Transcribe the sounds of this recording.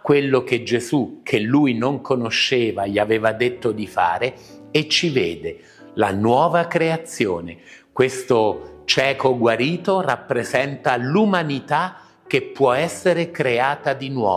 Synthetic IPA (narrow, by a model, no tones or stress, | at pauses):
kːwelːok̟ed͡ʒezukʰelːujnoŋkʰonoʃːeːvaʎiaveːvad̪et̪ːod̪ifa̰ːɾeet͡ʃːiveːd̪e | lanwɔːvakɾeat̪sːjoːnekwest̪ot͡ʃɛːkoɡwaɾiːt̪orapːɾezɛnt̪alumanit̪a | k̟ːepːwɔɛsːeɾekɾeaːt̪ad̪inwɔ̰ː